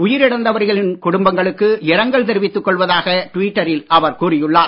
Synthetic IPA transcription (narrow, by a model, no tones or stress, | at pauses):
ʊjɪɾɪɽɐnd̪ɐʋɐɾɣɐɭɪnkʊɽʊmbɐŋɡɐɭɯkːɯɪɾɐŋɡɐɭt̪ɛɾɪʋɪt̪ːɯkːɔɭʋɐðaːɣɐʈʋiːʈːɐɾɪlɐʋɐɾkuːrɪjɯɭːaː